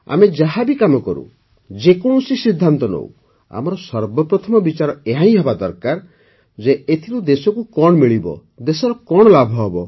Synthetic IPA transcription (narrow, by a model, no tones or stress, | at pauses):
a̰med͡ʒaɦabikamɔkɔɾṵ | d͡ʒekɔɽ̃usisid̪ʱːant̪ɔnɔ̰w | a̰mɔɾɔsɔɾbɔpɾɔt̪ʰɔmɔbit͡ʃaɾɔeɦaj̃ɦɔbad̪ɔɾkaɾ | d͡ʒeet̪ʰilud̪esɔkukɔɽ̃ɔmiɭibɔ̰ | d̪esɔɾɔkɔɽ̃ɔlabʱɔɦɔbɔ